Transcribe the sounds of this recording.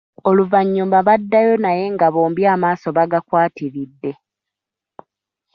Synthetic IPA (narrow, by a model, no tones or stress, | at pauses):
o̞luvaɲːuːmbaβadːajo̞naje̞ŋɡaβoːmbjaːmaːso̞βaɡakwaːtiɾidːe̞